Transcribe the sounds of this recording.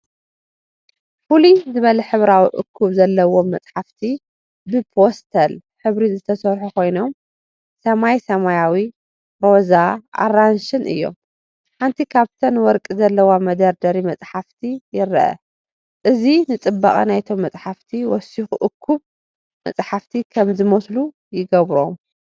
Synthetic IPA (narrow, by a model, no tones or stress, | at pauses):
fulizɨβɐlɐħɨβɾawiʔɨ̰kʰːuβzɐlːɐwomːɐt͡sʼħaft̪ʰi | bɨpʰost̪ʰɐl | ħɨβɾizɨt̪ʰɐsɐɾħukʰo̞jno̞m | sɐmajsɐmajawi | ɾo̞zaʔa̰ranʃɨnʔɨ̰jːo̞̰m | ħant̪ʰikʰaβt̪ʰɐnwɔɾkʼizɐlːɐwamɐd̪ɐɾd̪ɐɾimɐt͡sʼħaft̪ʰijɪɾɐʔɐ̰ | ʔɨzinɨt͡sʼɨbːa̰χʼɐ̰najt̪ʰo̞mːɐt͡sʼħaft̪ʰiwɔsixuʔʊkʰːuβ | mɐ̰t͡sʼħaft̪ʰikʰɐmzɨmoslu | jɪɡɐβɾom